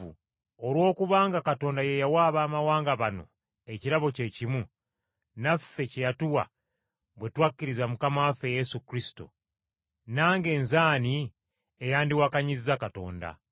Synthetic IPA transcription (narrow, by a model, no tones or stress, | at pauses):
u | olwo̞ːkuβaːŋɡakato̞ːndaje̞jawaːβaːmawaːŋɡaβano̞̰ | e̞ciɾaβo̞ce̞cimu | nafe̞cejatuwa̰ | βwe̞twakːiɾizamukamafeje̞sukɾisi̥to̰ | naːŋɡe̞ːnzaːni | ejaːndiwakaɲizːakato̞̰ːnda̰